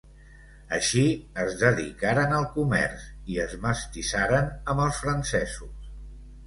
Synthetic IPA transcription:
əʃiəzðəðḭkaɾənəlˠkumɛ̰rsiəzməst̪isaɾənəmbəlˠsfɾənsɛzus

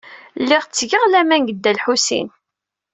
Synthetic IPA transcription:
lːiʁt͡sːʝəʁlæmænɡəd̪ːælħusḭn

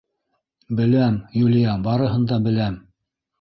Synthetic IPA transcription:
bɘ̆læmjulʲɪjɑbɑɾɤ̆ɦɤ̆nd̪ɑbɘ̆læm

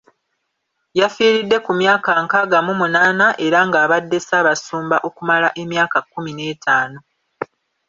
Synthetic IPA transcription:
jafiːɾidːe̞kumjaːkaŋkaɡamumunaːnaʔe̞ɾaŋɡaːβadːe̞saːβasuːmbaʔo̞kumalaʔe̞mjaːkakːumine̞ːtʰaːno̞

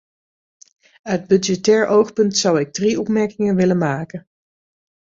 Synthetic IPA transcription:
œɥd̚bɵdjɛtɛːɹʔowχpɵntsʌwɪɡ̚driɔpmɛɹkɪŋənʋɪlənmaːkən

